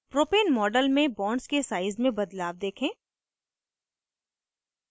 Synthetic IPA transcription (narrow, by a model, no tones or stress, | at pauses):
pɾoːpeːnmɔːɖəlmẽbɔːɳɖskesaːɪzmẽbɐd̪laːʋd̪eːkʰẽː